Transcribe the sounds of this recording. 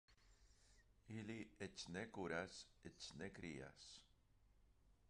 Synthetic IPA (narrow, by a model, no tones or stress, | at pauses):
iliet͡ʃnekuɾaset͡ʃnekɾia̰s